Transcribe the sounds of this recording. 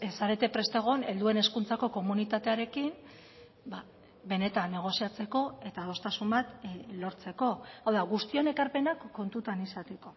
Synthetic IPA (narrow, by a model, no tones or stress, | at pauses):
saɾe̞t̪e̞pɾe̞st̪e̞ɣ̞o̞ne̞ld̪ue̞ne̞skunt͡sako̞ko̞munit̪at̪e̞aɾe̞kin | ba | βe̞ne̞t̪anːe̞ɣ̞o̞siat͡se̞ko̞e̞t̪aðo̞st̪asumbat̪lo̞ɾt͡se̞ko̞awðaɣust̪io̞ne̞kaɾpe̞nakːo̞nt̪ut̪anisat̪e̞ko̞